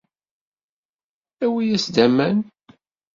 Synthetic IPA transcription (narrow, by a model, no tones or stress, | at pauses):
æwijæsd̪æmːæn